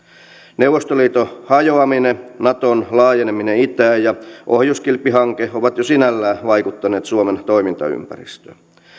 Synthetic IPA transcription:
neuwʋˑost̪oliːt̪ohɑjoɑminenɑt̪onlɑːjenemineit̪æːjjɑʔohjuskilpːiɦɑŋkehoʋɑt̪josinælːæːʋɑikut̪ːɑneːt̪suoment̪oimint̪ɑ̰y̰mpæ̰rḭst̪ø̥̰ː

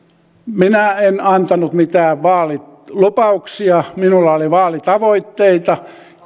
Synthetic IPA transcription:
minæenɑnt̪ɑnut̪mit̪æːʋʋɑːlilupɑuksiɑminulːɑoliʋɑːlit̪ɑʋoit̪ːeit̪ɑ

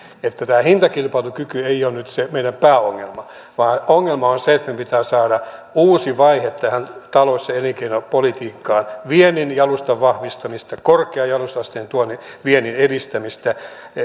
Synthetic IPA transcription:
et̪ːæt̪æːhint̪ɑkilpɑilukykyeionnyt̪semeiɾæmpæːoŋːḛlmɑ | ʋɑːnoŋːelmɑonseet̪mepit̪æːsɑːɾɑuːsiʋɑihet̪ːæhænt̪ɑloisːɑeliŋkeinopolit̪iːkːɑːnʋieninjɑlust̪ɑʋʋɑhʋist̪ɑmist̪ɑkorkeɑjɑlust̪ɑst̪eent̪uonːiʋienineɾist̪æmist̪æ

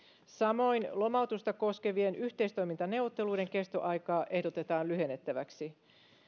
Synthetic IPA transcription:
sɑmo̞inlo̞mɑut̪ust̪ɑko̞ske̞ʋienʔyht̪e̞ist̪ojmint̪ɑne̞wʋːot̪ːe̞lujde̞ŋkest̪o̰ʔɑjkɑːʔe̞hdot̪e̞t̪ɑːnlyhe̞nːet̪ːæʋæksi

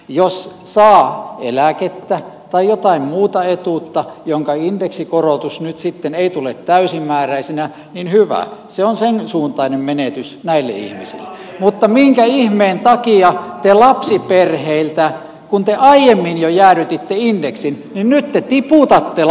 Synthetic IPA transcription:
jossɑːḛlæket̪ːæt̪ɑijjot̪ɑimmuːt̪ɑet̪ut̪ːɑjoŋkɑindeksikorot̪usnyt̪sit̪ːeneit̪ulet̪tæysimːæːræisenæ | ninhyʋæ̰seonsensuːnt̪ɑinemmenet̪ysnæilːḛḭhmisḭlːḛ | mut̪ːɑmiŋkæihmeːnt̪ɑkiɑt̪elɑpsiperheilt̪æ | kunt̪eʔɑijemːinjojæːryt̪it̪ːeindeksin | ninnyt̪t̪et̪iput̪ɑt̪ːe

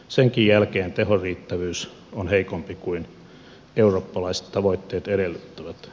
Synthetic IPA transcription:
seŋkijjælkeːnt̪ehoriːt̪ːæʋyːs | onheikompikuin | euroːpːɑlɑise̥t̪t̪ɑʋoit̪ːeːt̪eɾelːyt̪ːæʋæt̪

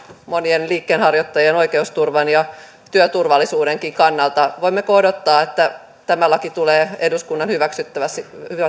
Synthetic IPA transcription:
monienliːkːeːnhɑrjot̪ːɑjeno̞ikeust̪urʋɑnjɑ | t̪yøt̪urʋɑlːisuːdeŋkiŋkɑnːɑlt̪ɑʋoimːekodot̪ːɑːet̪ːæ | t̪æmælːækit̪uleːeduskunːɑnhyʋæksyt̪ːæʋæsihyʋæ

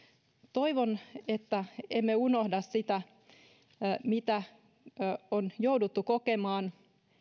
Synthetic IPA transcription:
t̪oiʋonet̪ːæemːeunohdɑssit̪æ | mit̪æ | onjoudut̪ːukokemɑːn

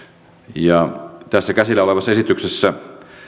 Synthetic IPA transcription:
jɑt̪æsːækæsilːæoleʋɑsːɑesit̪yksesːæ

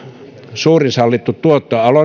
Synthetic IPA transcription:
suːrisɑlːit̪ːut̪t̪uot̪ːoɑlo

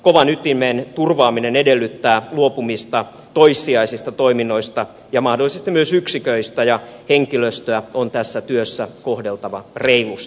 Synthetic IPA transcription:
koʋɑnyt̪ːimeːnt̪urʋɑːminenedelːyt̪ːæːluopumist̪ɑ | t̪oisːiɑisist̪ɑt̪oiminːoist̪ɑ | jɑmɑhdolːˑisest̪imyøsyksikøist̪æjɑheŋkiløst̪øæont̪æsːæt̪yøsːækohdelt̪ɑʋɑreilust̪ɑ̥

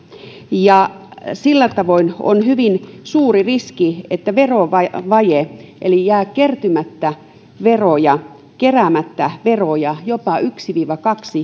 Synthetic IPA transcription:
jɑ | silːæt̪ɑʋoino̰nhyʋinsuːririskiet̪ːæʋeroʋɑʋɑjeʔelijæːkkert̪ymæt̪ːæ | ʋerojɑ | keræmæt̪ːæʋerojɑjopɑʔyksiʋiːʋɑkɑksi

